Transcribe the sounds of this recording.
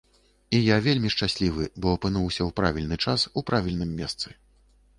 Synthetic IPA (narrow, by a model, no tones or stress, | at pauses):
ijavʲelʲmʲiʂt͡ʂasʲlʲivɨbɔɐpɨnuwsʲɐwpɾa̰vʲilʲnɨt͡ʂasupɾavʲilʲnɨmːʲɛst̪sɨ